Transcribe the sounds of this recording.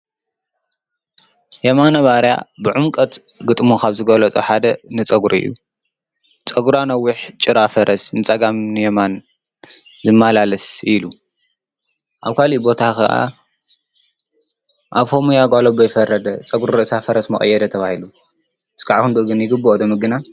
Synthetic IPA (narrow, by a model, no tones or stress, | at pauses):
jɛmanɐβaɾja̰bɨʕʊmkʼɐt̪ | ɡɨt̪ʼmukʰaβzɨɡɐlɐt͡sʼoħad̪ɐnɨt͡sʼɐɡɾɨ̰jːṵ | t͡sʼɐɡuɾanɐwːʊħt͡ʃʼɨɾafɐɾɐsnɨt͡sʼɐɡamnɨjɛman | zɨmːalalɐsilu | ʔaβkʰalibo̞t̪ʰakɨʔa̰ | ʔaβho̞mujaɡʷalobɨjfɐrːɐd̪ɐt͡sʼɐɡɾuuɾɨʔsafɐɾɐsmɐχʼɐ̰jːɛd̪ɐt̪ʰɐβahilu | ɨskʰaʕakɨnd̪uʔɡɨnjɪɡɨbɨʔod̪ɐmɨɡɨna